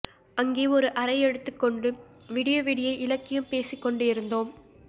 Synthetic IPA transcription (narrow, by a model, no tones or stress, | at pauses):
ɐŋɡeːɔɾɯʔɐɾɐɪɛɽɯt̪ːɯkːɔɳɖɯʋiːɽɪjoːʋiːɽɪjɐɪʔɪlɐkːɪjɯmpeːsɪkːɔɳɖɯɪɾɯnd̪oːm